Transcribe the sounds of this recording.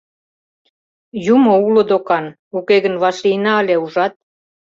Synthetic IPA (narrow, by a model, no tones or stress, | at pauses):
jumoulod̪okɑn | ukeɣə̆nβɑʃliənɑəleuʒɑt̪̚